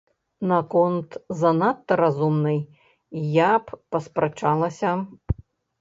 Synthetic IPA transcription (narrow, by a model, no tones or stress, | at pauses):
nɐkɔnt̪zɐnat̪ːɐɾazumnɨj | japːɐspɾat͡ʂalˠɐsʲɐ